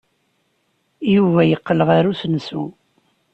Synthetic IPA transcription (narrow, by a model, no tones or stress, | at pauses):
juvæjəqːləʁaɾusnsu